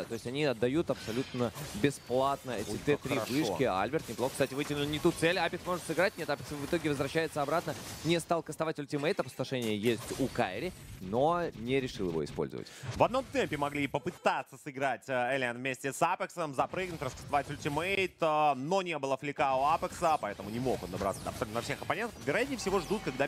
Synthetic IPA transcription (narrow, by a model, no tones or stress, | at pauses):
t̪o̞jɪsʲtʲɐnʲiɐd̪ːɐjut̪ɐpsɐlʲut̪nəbʲɪsplˠat̪nəɛɪt̪ɛpɾʲɪvɨʂkʲɪa̰lʲbʲɪrt̪nʲɪplˠoxkst̪atʲɪvɨtʲɪlʲɪnnʲɪt̪ut̪t̪sɛlʲapʲɪksmo̞ʐɨt̪sɨɡɾat̚ʲnʲet̪apʲɪksənvɨt̪o̞ɡʲɪvəzvɾɐɕːæjɪt̪səɐbɾat̪nənʲɪst̪alˠkəst̪ɐvatʲʊlʲtʲɪmɛjt̪ɐpə̥st̪ɐʂɛnʲɪjəjesʲtʲukaɪɾʲɪno̞nʲɪɾʲɪʂɨlˠjɪ̰vo̞̰ɪ̰spolʲzə̰və̰tʲvɐd̪no̞mt̪ɛmʲpʲɪmɐɡlʲipəpɨt̪at̪səsɨɡɾatʲəɛlʲenvmʲesʲtʲɪsapʲɪksəmzɐpɾɨɡnʊtʲrəskə̥st̪ɐvatʲʊlʲtʲɪmejt̪no̞nʲebɨlˠəflʲɪkaʊapʲɪksəpɐɛt̪əmʊnʲɪmo̞xond̪ɐbɾa̰t̪səd̪apsɐnɐfsʲe̞xɐpɐnʲenəvʲɪɾɐjat̪̚ʲnʲɪjfsʲɪvo̞ʐd̪ut̪̚kaɡ̚d̪a